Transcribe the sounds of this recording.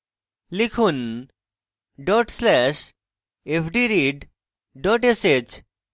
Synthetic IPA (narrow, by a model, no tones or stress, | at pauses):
likʰun | ɖɔʈslɛʃ | epʰɖiɾiɖ | ɖɔʈeset͡ɕ